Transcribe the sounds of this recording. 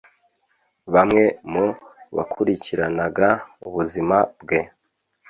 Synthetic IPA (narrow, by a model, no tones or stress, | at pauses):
βamŋe̞muβa̰kʰuɾiciɾanaɡauβuzimabɡe̞